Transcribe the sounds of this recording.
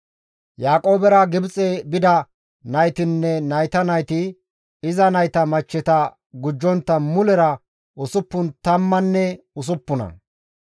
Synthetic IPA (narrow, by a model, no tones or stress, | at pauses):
jaːkʼo̞ːbɛɾɐɡɪbt͡sʼebɪd̪ɐ | nɐjt̪ɪnːɛnɐjt̪ɐnɐjt̪ɪ | ɪzɐnɐjt̪ɐmɐt͡ʃːɛt̪ɐ | ɡʊd͡ʒːɔnt̪ːɐmʊlɛɾɐ | ʔʊsʊpːʊnt̪ɐmːɐnːɛ | ʊs̬ʊpːʊnɐ̰